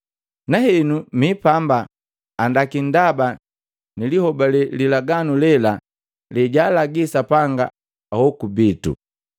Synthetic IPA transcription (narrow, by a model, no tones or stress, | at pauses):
naɦɛnumipambaː | ndakindaba | nilihɔbalɛlilaɡanulɛla | lɛɟaːlaɡisapaŋɡa̰ | ahɔkubitṵ